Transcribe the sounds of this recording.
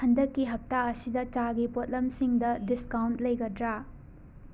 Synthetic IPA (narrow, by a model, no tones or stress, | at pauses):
hɐndɐkːiɦɐp̚taɐsidɐt͡ʃaɡipot̚lɐmsiŋdɐdiskawnt̚lɐjɡɐdɾa